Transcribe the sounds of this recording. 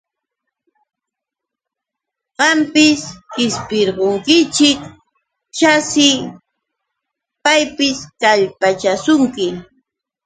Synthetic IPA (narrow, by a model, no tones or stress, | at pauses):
ɢɑmpɪskɪspɪɾɢoŋkɪt͡ʃɪk | t͡ʃasɪ | pajpɪskaʎpat͡ʃasʊŋkɪ